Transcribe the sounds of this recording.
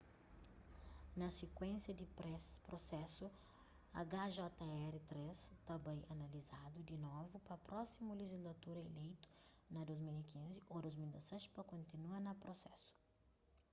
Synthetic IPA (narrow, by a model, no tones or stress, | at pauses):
nɐsekwẽnsjɐd̪ɪpɾosɛsʊ | ɐɡaʒɔt̪ɐɛɾit̪ɾest̪abɐ̃j̃ɐnɐlizad̪ʊd̪inovupɐpɾɔsimʊleʒizlat̪uɾɐelejt̪ʊ̥nɐd̪ojzmilikĩnziod̪ojzmild̪ɐsɛʃpɐkõnt̪inuɐnɐpɾosɛsʊ̥